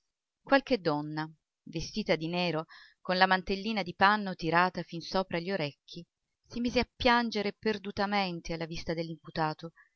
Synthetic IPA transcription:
kwalked̪ːɔnːa | vest̪iːt̪ad̪inɛːɾokonlamant̪elːiːnad̪ipanːot̪iɾaːt̪afinsoːpɾaʎːoɾek̟ːi | simiːzeapːjand͡ʒeɾeperd̪ut̪ament̪ealːavist̪ad̪elːimput̪aːt̪o

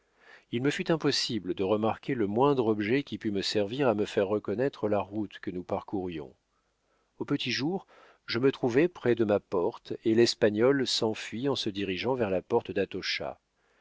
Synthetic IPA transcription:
ilməfyt̪ɛ̃pɔsibld̪əʁəmaʁkʲeləmwɛ̃d̪ʁɔbʒɛkʲipyməsɛʁviʁaməfɛʁːəkɔnɛt̪χəlaʁut̪kənupaʁkuʁjɔ̰̃ | opət̪iʒuʁ | ʒəmət̪χuvɛpχɛd̪əmapɔʁt̪elɛspaɲɔlsɑ̃fɥiɑ̃səd̪iʁiʒɑ̃vɛʁlapɔʁt̪d̪at̪ɔʃa̰

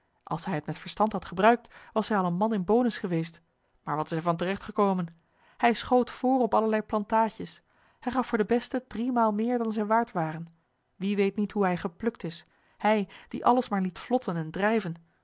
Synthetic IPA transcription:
ʔɑ̰lˠsɦɛjɦətmɛtfəɹstɑntɦɑtχəbrœɥk̚tʋɑsɦɛjɑlˠənmɑnɪnbowdəsχəʋejst | maːɹʋɑtɪ̥sɛɹvɑntərɛχtχəkowmən | hɛjsχowtfʊːrɔpɑləɹlɛjplɑntaːʒəs | hɛjχɑfʊːɹdəbɛstədrimaːlˠmɪːɹdɑnzɛjnʋaːɹtʋaːrən | ʋiʋejtnitɦuɦɛjχəplɵktɪs | hɛjd̥iʔɑləsmaːɹlitflɔtʰənɛndrɛjvən

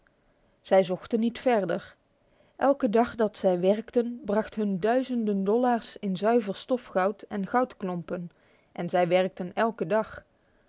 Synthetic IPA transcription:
z̥ɛjzɔχtənːitfɛɹdəɹ | ʔɛlˠkədɑχdɑtsɛjʋɛɹktənbrɑχtɦɵndœɥzəndəndɔlaːɹsɪnzœɥvəɹstɔfχɑwtɛnχʌwtklɔmpən | ʔɛnzɛjʋɛɹk̚tənɛlˠkədɑχ

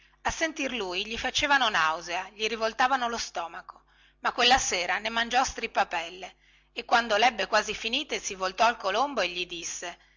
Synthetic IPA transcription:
asːent̪irluːjʎifat͡ʃeːvanonawzeaʎiɾivolt̪aːvanolost̪ɔːmako̥ | makːwelːaseːɾanemand͡ʒɔst̪ɾipːapɛlːe | ekːwand̪olɛbːekwaːzifiniːt̪esivolt̪ɔalkolomboeʎːid̪isːe

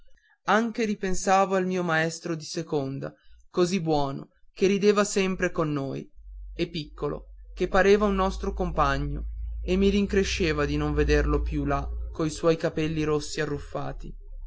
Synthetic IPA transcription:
aŋk̟eɾipensaːvoalmiːomaɛst̪ɾod̪isekond̪a̰kozibːwɔːno̰ | keɾid̪eːvasɛmpɾekonːoːjepːikʰːolo̰kepːaɾeːvaunːɔst̪ɾokompaɲːoemːiɾiŋkɾeʃːeːvad̪inoɱved̪erlopjulakːoiswɔjkapɛlːiɾosːiarːufːa̰ːt̪i

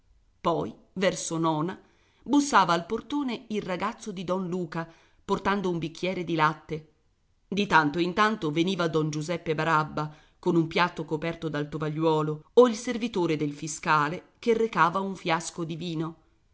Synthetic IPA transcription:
pɔj | vɛrsonɔːna | busːaːvaːlport̪oːneilraɡat̪sːod̪id̪ɔnluːka | port̪and̪oumbik̟ʰːjɛːɾed̪ilat̪ːe | d̪it̪ant̪oint̪ant̪oveniːvad̪ɔnd͡ʒuzɛpːebaɾabːa | konumpjat̪ːokopɛrt̪od̪alt̪ovaʎːwɔːlooilservit̪oːɾed̪elfiskaːle | kerːekaːvauɱfjaskod̪iviːno

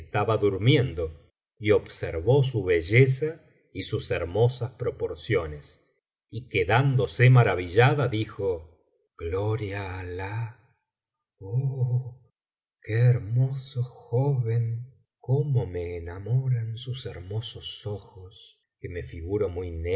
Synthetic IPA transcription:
st̪aβaðuɾmjend̪o̞ | io̞βseɾβo̞s̬uβe̞ʒe̞sa | isuseɾmo̞saspɾo̞po̞ɾsjo̞nes | ikeðand̪o̞semaɾaβiʒaðaðixo | ɡ̥loɾjaːla | o | keːɾmosoxoβe̞ŋ | komomeːnamoɾansuseɾmo̞sosoxos | keme̞fiɣuɾomujne

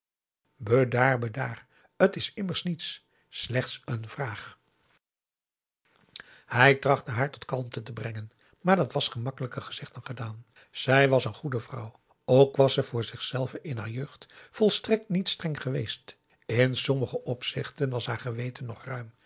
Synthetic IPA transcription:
bədaːrbədaːr | ətɪsɪməɹsnits | slɛχtsənv̥raːχ | hɛjtrɑχtəɦaːɹtɔ̥tkɑlˠmtətəbrɛŋən | maːɹdɑtʋɑsχəmɑkələkəχəz̥ɪχtənχədaːn | z̥ɛjʋɑsənχudəvrʌ̰w | owkʋɑsɛvʊːɹzɪχsɛlˠvənɪnɦa̰ːɹjøːχtfɔlˠstrɛk̚tnitstrɛŋχəʋejst | ɪnsɔməχəʔɔpsɪχtənʋɑsɦaːɹχəʋejtənːɔχrœɥm

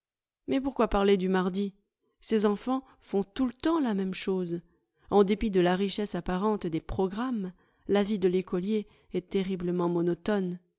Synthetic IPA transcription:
mɛpuʁkwapaʁled̪ymaʁd̪i | sezɑ̃fɑ̃ | fɔ̃t̪ulət̪ɑ̃lamɛmʃoz | ɑ̃d̪epid̪əlaʁiʃɛsapaʁɑ̃t̪d̪epχɔɡʁam | lavid̪əlekɔlje | ɛt̪eʁibləmɑ̃mɔnɔt̪ɔn

